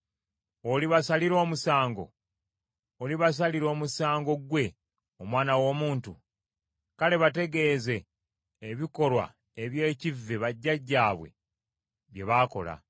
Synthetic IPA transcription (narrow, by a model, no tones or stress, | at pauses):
oliβasaliɾo̞ːmusaːŋɡo̞̰ | oliβas̬aliɾo̞ːmusaːŋɡo̞ɡwe̞ | omwaːnawo̞ːmuːntu | kale̞βate̞ɡe̞ːze̞ː | βiko̞lwa̰ | eβje̞ːcivːeβaɟːaɟːaːβwe̞̰ | βje̞βaːko̞̰la̰